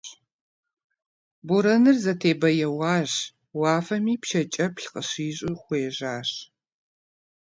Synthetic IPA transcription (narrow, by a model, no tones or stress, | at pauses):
buɾɐnɨrzɐtʰeːbɐjɛwɑːʑ | wɑːfɐmiːpʃɐt͡ʃʼɐpɬqəɕiːɕʼɪχʷeːʒaːɕ